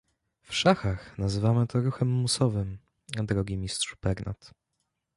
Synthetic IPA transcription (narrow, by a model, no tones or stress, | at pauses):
fʂaxaxnazɘvamɘt̪ʰɔɾuxɛmːusɔvɘm | ad̪ɾɔɡʲimʲistʂu̥bpɛɾnʔa̰t̪